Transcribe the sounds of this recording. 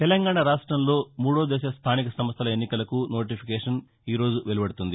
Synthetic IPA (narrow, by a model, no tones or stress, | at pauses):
t̪ɛlɐŋɡaːɳaɾaːʂʈɾɐmlo̞ːmuːɽoːd̪ɛːʃɐst̪ʰaːnikɐsɐmɐst̪ʰɐlɐenːikɐlɐkuno̞ːʈ̬ipʰikeːʂɐn | iːɾo̞ːd͡ʒuʋelibɐɽut̪und̪i